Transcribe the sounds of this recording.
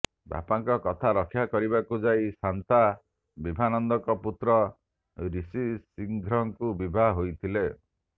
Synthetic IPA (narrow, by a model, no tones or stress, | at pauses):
ba̰paŋkɔkɔt̪ʰaɾɔkʰːjakɔɾibakud͡ʒajsant̪a | bibʱanɔnd̪ɔkɔput̪ɾɔ | ɾisisiŋɡʱɾɔŋkubibʱaɦɦojt̪ʰile